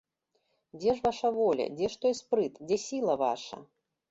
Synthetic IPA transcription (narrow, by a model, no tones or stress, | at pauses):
d͡zʲɛʐvaʂɐvɔlʲɐ̰d͡zʲɛʂt̪ɔjspɾɨt̪d͡zʲɛsʲilˠɐva̰ʂɐ̰